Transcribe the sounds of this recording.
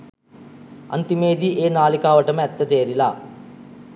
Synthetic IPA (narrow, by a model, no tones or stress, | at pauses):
ɐ̰nt̪imeːd̪iʔeːnaːlikaːʋəʈəməɛt̪ːət̪eːɾilaː